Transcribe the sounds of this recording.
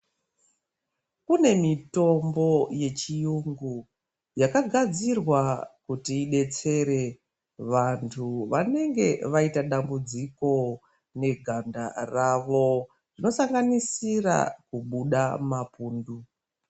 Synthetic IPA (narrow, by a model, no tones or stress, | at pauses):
kune̞mito̞mbo̞je̞t͡ʃijuŋɡu | jakaɡʱad͡zirwakutiːɗe̞t͡se̞ɾe̞ | ʋantʰuʋane̞ŋɡe̞ʋaitaɗambud͡ziko̞ | ne̞ɡʱanda̰raʋo̞ | rino̞saŋɡanisira̰kuɓuɗamapuːndu